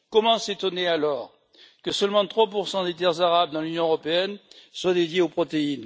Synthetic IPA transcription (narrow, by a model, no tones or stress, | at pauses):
kɔmɑ̃set̪ɔnealɔʁ | kəsœlmɑ̃t̪χwapuʁsɑ̃d̪et̪ɛʁzaʁabd̪ɑ̃lynjɔ̃əʁɔpeɛnswad̪ed̪jeopχɔt̪ein